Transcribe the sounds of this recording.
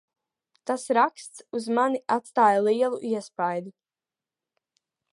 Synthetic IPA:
t̪asɾakst̪suzmaniat̪st̪aːjalˠiɛlˠṵʔiɛspajd̪u

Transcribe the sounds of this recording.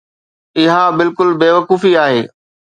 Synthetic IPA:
ɪɦabɪlkʊlbeːʋɐkuːfiaːɦeː

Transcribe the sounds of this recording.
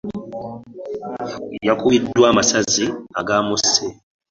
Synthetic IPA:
jakuidːwaːmasaziaɡaːmusːe

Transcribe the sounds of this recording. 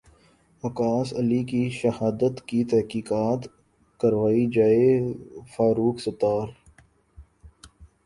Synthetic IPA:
ɐkaːsɐlikiʃɐhaːd̪ət̪kit̪ɛɦkiːkaːt̪ | kɐɾʋaːid͡ʒaːefaːɾuːksɐt̪aːɾ

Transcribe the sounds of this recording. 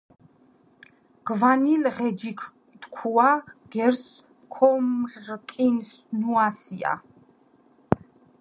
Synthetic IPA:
ɡ̥vanilʁɛd͡ʒikʰ | t̪kʰuaɡ̥ɛɾs | kʰɔmrkʼinsnuasia̰

